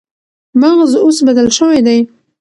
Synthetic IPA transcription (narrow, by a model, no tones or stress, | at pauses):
maɣzosbad̪alʃəwajd̪aj